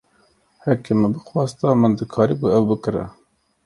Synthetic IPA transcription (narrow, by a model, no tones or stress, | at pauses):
hɛkemɨbɨxwɑːst̪ɑmɨnd̪ɨkʰɑːɾibuɛwbɨkɨɾɛ̰